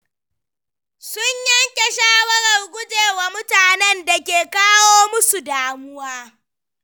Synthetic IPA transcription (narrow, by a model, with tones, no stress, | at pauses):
sʊ˦ɲjɐ˦ŋkʲe˨ʃaː˦wɐ˦ɽɐ˨rɡʷʊ˦d͡ʒeː˨waː˨mʊ˦taː˨nɛ˦nda˨kʲeː˨kaː˦woː˦mʊ˦su˨daː˦mʊ˦waː˦